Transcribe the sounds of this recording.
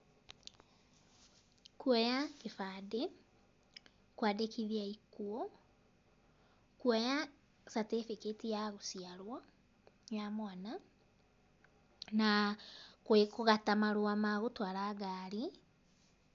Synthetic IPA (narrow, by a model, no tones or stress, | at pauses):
kuɔjakefade | kwadekiðiaikuɔ | kuɔja | satefiketijaɣosiaɾwɔ | jamwana | na | kwekoɣatamaɾoamaɣotwaɾaːɡaɾi